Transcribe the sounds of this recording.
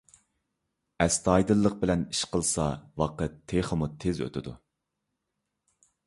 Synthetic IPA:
ɛst̪ʰɑjd̪ɨlˠːəq̚bɪlɛniʃqʰəlˠsɑwɑqət̪ʰːeχəmut̪ʰezø̰t̪ʰɪd̪ṵ

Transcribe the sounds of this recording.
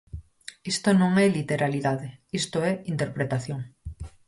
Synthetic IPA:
est̪onõŋelit̪e̞ɾaliðaðeest̪oeint̪e̞ɾpɾet̪aθjoŋ

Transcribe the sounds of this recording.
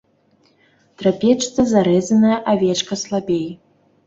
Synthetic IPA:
t̪ɾapʲɛt͡ʂt̪sɐzaɾɛzʲɐnɐjɐʔavʲɛt͡ʂkɐslˠabʲej

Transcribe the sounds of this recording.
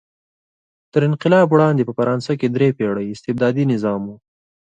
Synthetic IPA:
t̪əɾɪnqɪlɑbwɽɑnd̪epəfaɾɑnsaked̪ɾepeɽəjɪst̪ɪb̚d̪ɑːd̪inɪzɑmu

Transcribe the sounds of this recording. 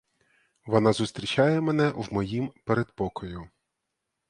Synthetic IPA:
ʋɔnɑzʊst̪ɾʲit͡ʃʲɑjɛmɛnɛwmɔjimpeɾed̪pɔkɔjʊ

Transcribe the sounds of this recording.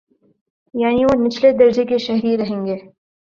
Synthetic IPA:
jaːniʋonɪt͡ʃʰled̪ɐɾd͡ʒekeʃɐɦɾiɾɐɦẽːŋɡeː

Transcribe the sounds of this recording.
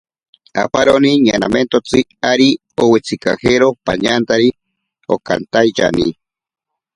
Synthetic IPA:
a̰paɾoniɲanament̪ot͡sɨaɾi | owet͡sʰikaheɾopa̰ɲant̪aɾi | oka̰nt̪ajt͡ʃa̰nḭ

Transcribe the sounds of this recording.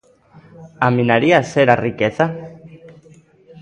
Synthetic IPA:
aminaɾiaseɾariket͡sa

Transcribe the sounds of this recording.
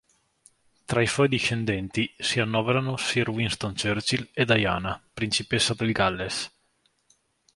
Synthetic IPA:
t̪ɾaisɔjd̪iʃːend̪ɛnt̪isianːɔveɾanosiɾwinst̪ont͡ʃørt͡ʃiled̪aja̰ːnapɾint͡ʃipesːad̪elɡalːes

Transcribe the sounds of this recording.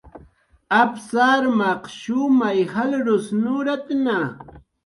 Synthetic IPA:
apsaɾmɑqʃʊmajhalɾʊsnʊɾat̪na

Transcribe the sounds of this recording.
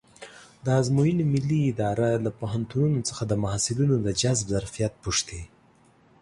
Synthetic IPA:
d̪əazmojinimɪlːiːd̪ɑɾalapoɦant̪ununot͡sə̥xad̪əmahasɪlunod̪əd͡ʒazbzaɾfijat̪̚puʂt̪e

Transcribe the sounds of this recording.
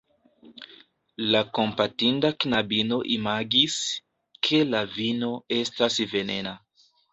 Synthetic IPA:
lako̞mpatindaknabino̞ʔimaɡis | kʰe̞lavino̞e̞stasve̞ne̞na

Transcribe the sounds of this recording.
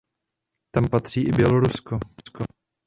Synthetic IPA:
t̪ampat̪r̝̥iːʔɪbjɛloɾuskosko

